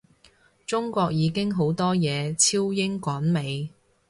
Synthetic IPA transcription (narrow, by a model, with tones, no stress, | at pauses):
t͡sʊ˥ŋkʷɔː˧k̚jiː˨˧kɪ˥ŋɦo˨˥wt̪ɔː˥jɛː˨˧t͡sʰiː˥wjɪ˥ŋkʷɔː˨˥nme˨˧j